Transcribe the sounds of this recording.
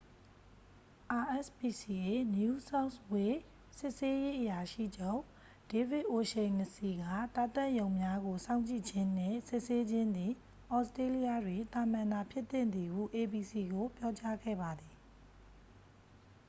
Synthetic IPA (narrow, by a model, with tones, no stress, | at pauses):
ʔa˨ʔɛ˦˨spi˨si˨ʔe˨nju˦sa˦ʊswe˨ | sɪ˦˨ʔse˦je˦ʔəja˨ʃḭ˦˨d͡ʑõ˦˨ | d̥e˨vɪ˦˨ʔo˨ʃẽ˨ɪ̃nə˨si˨ɡä̰˦˨t̪a˦˨t̪ɛ̃˦˨ʔjõ˨ʊ̃mja˦ɡo˨sã˦ʊ̃ɲt͡ɕḭ˦˨d͡ʑɪ̃˦n̥ɪ̰̃˦˨sɪ˦ʔse˦d͡ʑɪ̃˦nd̪ði˨ | ʔɔ˦stɹe˦li˦ja˦˨dwe˨t̪a˨mã˨na˨pʰjɪ˦t̪ːɪ̰̃˦˨nd̪ði˨hṵ˦˨ʔe˨bi˨si˨ɡo˨pjɔ˦t͡ɕa˦ɡɛ̰˦˨ba˨d̪ði˨